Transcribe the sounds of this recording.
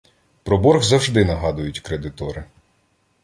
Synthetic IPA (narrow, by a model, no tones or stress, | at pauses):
pɾɔbɔɾɣzɐwʒd̪ɪnɐɦɑd̪ʊjʊtʲkɾed̪ɪt̪ɔɾɪ